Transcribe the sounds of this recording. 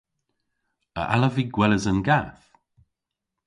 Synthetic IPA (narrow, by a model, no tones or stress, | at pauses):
ə̰ʔa̰ləviːɡwɛləzənɡaθ